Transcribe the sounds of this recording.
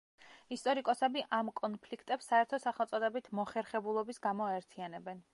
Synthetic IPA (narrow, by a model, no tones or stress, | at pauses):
ist̪ʼɔɾikʼɔsɛbiʔamkʼɔnpʰlikʰt̪ʼɛpsːaɛɾt̪ʰɔsaχɛlˠt̪sʼɔd̪ɛbit̪ʰmɔχɛɾχɛbulˠɔbisɡamɔaɛɾt̪ʰianɛbɛn